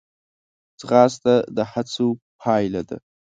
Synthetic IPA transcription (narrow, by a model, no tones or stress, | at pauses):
d͡zʁaːstʼadaħat͡sʰu | pʰaːjladɨ̰